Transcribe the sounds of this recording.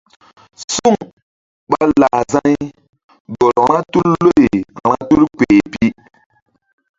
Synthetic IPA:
su˦˨ŋ | ɓa˦la˨za˦j | ɡɔ˨ɾɾã˦tu˦llo˦e˨ɾa˦tu˦lk͡pe˨pi˦

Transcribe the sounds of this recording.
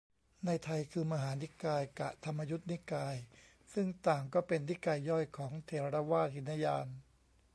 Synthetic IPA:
na˧jt̪ʰa˧jkʰɯː˧ma˧ɦaː˩˦ni˦˥kaː˧jka̰˨˩ʔt̪ʰa˧mːa˧ju˦˥t̪̚ni˦˥kaː˧j | sɯ˥˩ŋt̪aː˨˩ŋkɔː˥˩pe˧nːi˦˥kaː˧jːɔ˥˩jkʰɔː˩˦ŋt̪ʰeː˧ɾa˧ɾa˦˧waː˥˩t̪hi˩˦nːa˧jaː˧n

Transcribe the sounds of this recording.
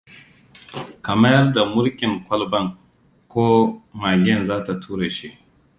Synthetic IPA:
kɐ˨mɐ˦jɐ˦rda˨mʊ˦ɾkʲɪ˨ŋkʷɐ˦lbɐ˦˨ŋ | kʷoː˦maː˨ɡʲɛ˦˨nzaː˦ta˨tʰuː˦ɾe˨ʃi˦ʔ

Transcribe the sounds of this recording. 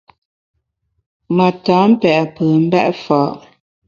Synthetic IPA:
mə˨taː˨˦m̩˦pɛ˨ʔpəː˨m̩˦bɛ˦ʔfɔ˨˦ʔ

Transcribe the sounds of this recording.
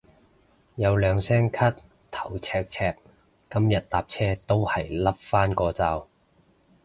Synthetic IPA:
jɐ˨˧wlœː˨˧ŋsɛː˥ŋkʰɐ˥t̚ | t̪ʰɐ̥˨˩wt͡sʰɛː˧k̚t͡sʰɛː˧˥k̚ː | ɐ˥mjɐ˨t̚t̪aː˨p̚t͡sʰɛː˥t̪o˥whɐ˨jlɐ˥p̚faː˥nkɔː˧t͡saː˧w

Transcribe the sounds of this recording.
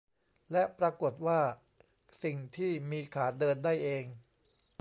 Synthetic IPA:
lɛ˦˥ʔpɾa˧ko˨˩t̪̚waː˥˩ | si˨˩ŋt̪ʰiː˥˩miː˧kʰaː˩˦t̪̚dɤː˧ndaː˥˩jʔeː˧ŋ

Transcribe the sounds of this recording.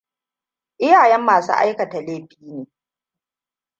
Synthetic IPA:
ʔɪ˦jaː˨jɛ˦mːaː˨sṵ˦ʔa̰˦jkɐ˨ta˨leː˦ɸiː˦neː˨

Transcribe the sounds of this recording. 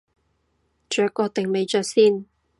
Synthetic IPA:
t͡ʃœː˨˥kːɔː˧t̪ɪ˨ŋme˨˧jt͡ʃœː˨˧k̚siː˥˩n

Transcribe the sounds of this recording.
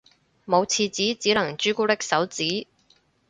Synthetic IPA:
mo˨˧wt͡sʰiː˧t͡siː˨˥t͡siː˨˥lɐ˨˩ŋt͡ʃyː˥kuː˥t̪ɪ˥k̚sɐ˨˥wt͡siː˨˥

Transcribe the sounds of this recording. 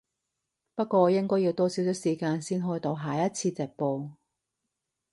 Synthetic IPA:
pɐ˥t̚kʷɔː˧˨˧jɪ˥ŋkɔː˥jiː˧wt̪ɔː˥siː˨˥wt͡ʃʰə˥siː˨˩kaː˧nsiː˥nɦɔː˥jt̪o˧wɦaː˨jɐ˦˥t̚t͡sʰiː˧t͡sɛː˨k̚poː˧

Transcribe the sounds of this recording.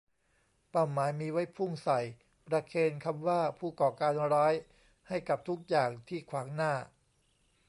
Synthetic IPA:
pa˨˩wmaː˩˦jmiː˧wa˦˥jpʰu˥˩ŋsa˨˩j | pɾa˧kʰeː˧nkʰa˧mwaː˥˩pʰuː˥˩kɔː˨˩kaː˧nɾɔː˦˥j | ha˥˩jka˨˩p̚t̪ʰu˦˥k̚jaː˨˩ŋt̪ʰiː˥˩kʰwaː˩˦ŋnaː˥˩

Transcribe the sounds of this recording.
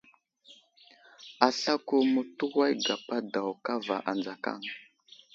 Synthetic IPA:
a˨ɬa˦ku˦mu˨tu˦wa˦jɡa˨pa˦da˨wka˦va˨ʔa˨nd͡za˨ka̰˦˨ŋ

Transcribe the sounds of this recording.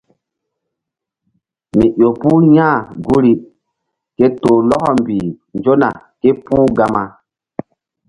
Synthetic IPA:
mi˨ʔo˨pu˦jã˦˨ɡu˦ɾi˦ | ke˦toː˨lɔ˦kɔ˨mbi˨ | nd͡ʒo˦na̰˨ | ke˦puː˦ɡa˦ma˦

